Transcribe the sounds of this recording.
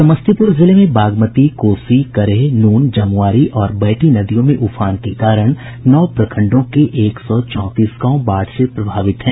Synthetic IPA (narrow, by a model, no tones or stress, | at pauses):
sɐməst̪ʰipʊɾzɪlemẽbaːɡmət̪ikoːsikɐɾeɦnuːnd͡ʒɐmʋaːɾiʔɔːɾbɐːʈinɐd̪ijõmẽʔʊfʰaːnkekaːɾəɽ̃ | nɔːpɾɐkʰə̃ɳɖõkeʔeːksɔːt͡ʃɔ̃ːt̪iːskãõbaːɽsepɾɐbʱaːʋɪt̪ɦɛ̃ː